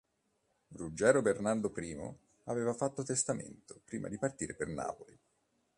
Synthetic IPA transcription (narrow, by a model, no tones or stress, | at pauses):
rud͡ʒɛːɾobernard̪opɾiːmo̰ | aveːvafat̪ːot̪est̪amḛnt̪opɾiːma̰d̪ipart̪iːɾeperna̰ːpoli